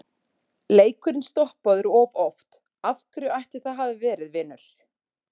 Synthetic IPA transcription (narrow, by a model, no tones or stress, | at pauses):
leːjkʏɾɪnst̪ɔhpaðʏɾɔvɔft̪ | afkɾʏajht̪ɪ̥θaðɦaːvɪvɛːɾɪðvɪːnʏɾ̥